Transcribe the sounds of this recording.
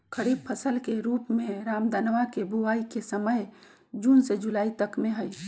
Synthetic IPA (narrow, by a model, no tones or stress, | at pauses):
kʰəɾib̚pʰəsəlkeɾuːpmẽɾaːmd̪anʋakebʱuʋaːikesəməj | d͡ʒuːnsed͡ʒulaːit̪əkmeɦəj